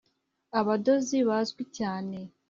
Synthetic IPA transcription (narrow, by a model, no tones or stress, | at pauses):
aβado̞ziβazɡwicaːne̞